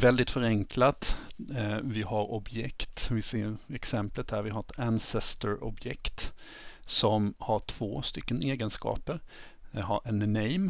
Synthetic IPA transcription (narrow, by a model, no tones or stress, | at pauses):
vɛld̪ɪt̪fœɾɛŋklat̪ | vɪhaɾɔbjɛkt̪vɪseːɾɛksɛmplət̪̚hæɾvɪɦaɾɛt̪ʰænsɛst̪əɾɔ̰bjɛkt̪ | sɔmhaʈʰv̥oːst̪ʏkːəneːɡənskɑ̰ːpəɾ | ha̰ɾʔɛnːɛjm